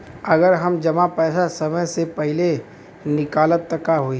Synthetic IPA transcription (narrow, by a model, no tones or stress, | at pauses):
ɐɡəɾɦɐmd͡ʒɐmapɛːsasɐməjsepɛɦɪle | nɪkaːlət̪ːəkaɦoi